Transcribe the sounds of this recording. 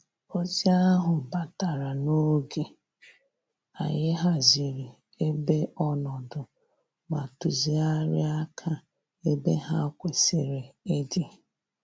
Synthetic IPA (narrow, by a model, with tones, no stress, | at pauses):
o˦zi˦a˦ɦʊ˨ba˨ta˨ɾa˨no˦ɡe˨ | a˨jɪ˦ɦa˦zi˨ɾi˨ | e˦be˦ɔ˦nɔ˨dʊ˨ | ma˨tu˨zi˨a˦ɾɪ̰˦a˦kʰa˦ | e˦be˦ɦa˦kʷe˨se˨ɾe˨ɪ˦dɪ˦